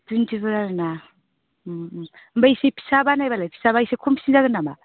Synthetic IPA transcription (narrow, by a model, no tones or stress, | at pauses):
duntʰiβɯɾaɾɯna | mbaisepʰi̥sabanajbalajpʰi̥saβaisekʰompʰi̥sind͡ʒaɡɯnama